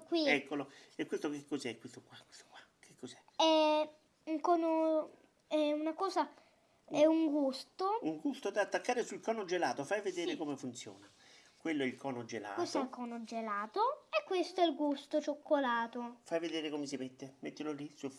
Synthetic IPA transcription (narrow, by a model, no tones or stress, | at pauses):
kwiɛkːoloɛkːwest̪okekːosɛkwest̪okwakwe̥st̪o̥kwḁ | k̟ʰekːosɛ | ɛ | uŋkɔːno | ɛunakɔːsa | ɛuŋɡust̪ouŋɡust̪od̪at̪ːakːaːɾɪsuilkɔːnod͡ʒelaːt̪ofajved̪eːɾekomefunt̪sjɔ̰ːna | kwelːoɛilkʰɔːnod͡ʒela̰ːkest̪ɛlkɔːnod͡ʒelaːt̪oekːwest̪oɛlɡust̪ot͡ʃokːolaːt̪ofajved̪eːɾekomesimet̪ːemet̪ːilolisu